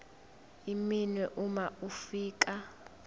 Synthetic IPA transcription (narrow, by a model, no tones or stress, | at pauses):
iminwɛʔumaʔufiːk̬ʼa